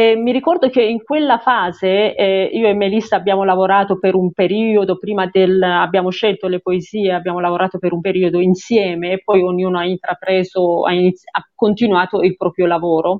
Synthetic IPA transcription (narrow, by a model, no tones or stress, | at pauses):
ɛmiɾikɔrd̪ok̟eiŋkwelːafaːzeiːoɛmːelist̪abːjaːmolavoɾaːt̪opeɾumpeɾiːod̪opɾiːmad̪elabːjaːmoʃelt̪olepoeziːeabːjaːmolavoɾaːt̪opeɾumpeɾiːod̪oinsjɛːmeːpːɔjoɲːuːnoaint̪ɾapɾɛːzoa̰iniakːont̪inwaːt̪oilpɾɔːpɾjolavɔːɾo